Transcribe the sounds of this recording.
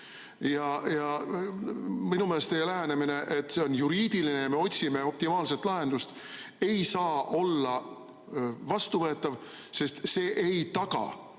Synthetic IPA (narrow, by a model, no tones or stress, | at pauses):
jɑjɑ | minumelst̪ejelæɦænemine̞ʔe̞t̪ːˑse̞o̞njuɾiːd̪̥iline̞jɑme̞o̞tʲsime̞o̞p̚t̪imɑːlse̞t̪ːˑlɑɦe̞nd̪̥ust̪ | e̞jsɑːʔo̞lːɑ | vɑst̪uvɤ̞et̪ːˑɑvse̞st̪se̞ːʔejt̪ɑkɑ̰